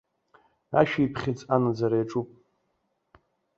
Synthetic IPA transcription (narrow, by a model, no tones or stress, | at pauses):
a̰ʃᶣiipʰχʲɪt͡sʼanad͡zaɾajʈ͡ʂʼupʼ